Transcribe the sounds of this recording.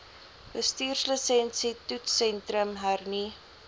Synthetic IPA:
bəstiːrsləsɛnsitutsɛntrəmɦærni

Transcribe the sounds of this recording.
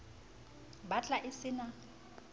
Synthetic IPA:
bat͡ɬʼaʔɪsɪna

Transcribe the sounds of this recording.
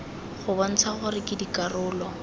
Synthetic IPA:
χʊban̩t͡sʰaχʊrɪkʼɪdikʼarʊːlɔ

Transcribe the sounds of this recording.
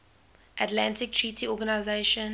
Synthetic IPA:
ʔatlãntɪk̚tʰɹitʰiɔɡanaɪzeʃə̃n

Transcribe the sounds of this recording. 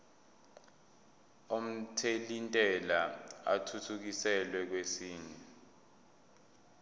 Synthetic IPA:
om̩tʰelintʼɛlaa̰tʰutʰuk̬isɛlwɛk̬wesiːɲɛ

